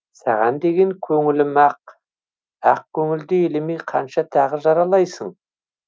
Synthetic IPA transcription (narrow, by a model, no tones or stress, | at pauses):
sɑ̰ʁɑnd̪e̞ɡʲe̞ŋkʲʰɵŋɪlɪmɑq̚ | ɑq̚kʲʰɵŋɪld̪ɪelɪmejqʰɑnʃɑt̪ʰɑʁəʒɑɾɑlˠɑjsəɴ